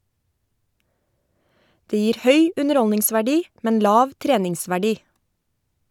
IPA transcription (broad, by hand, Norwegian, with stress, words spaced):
ˈdeː ˈjiːɾ ˈhœʏ ˌʉnəˈɾɔlnɪŋsʋæˌɖiː ˈmɛn ˈlɑːʋ ˈtɾeːnɪŋsʋæˌɖiː